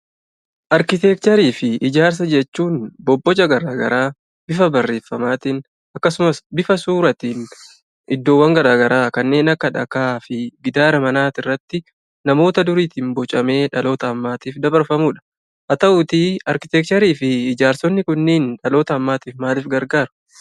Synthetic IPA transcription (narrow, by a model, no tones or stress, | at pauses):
ʔɐɾkɪt̪ɛk̚t̪ɐɾiːfɪɪd͡ʒaːɾs̬ɐd͡ʒɛt͡ʃːuːnbɔbːɔd͡ʒɐɡɐɾaːɡɐ̰ɾaː | bɪfɐbɐrːe̞ːfːɐmaːt̪ɪn | ɐkːɐsʊmɐsbɪfɐsuːɾɐt̪in | ʔɪd̪ːo̞ːwːɐŋɡɐɾaːɡɐɾaːkɐnːe̞ːnɐkːɐᶑɐ̰kaːfɪɡɪd̪aːɾɐmɐnaːt̪ɪrːɐt̪ːɪ | nɐmo̞ːt̪ɐd̪ʊɾiːt̪ɪmbɔt͡ʃʼɐme̞ːᶑɐlo̞ːt̪ɐːmːaːt̪iːfd̪ɐbɐɾfɐmuːᶑɐ̥ | ʔɐt̪ɐʔuːt̪iɐɾkɪt̪ɛk̚t̪ɐɾiːfɪːd͡ʒaːɾsɔnːɪkʊnːeːnᶑɐlo̞ːt̪ɐːmːaːt̪iːfmaːlɪfɡɐɾɡaːɾʊ̥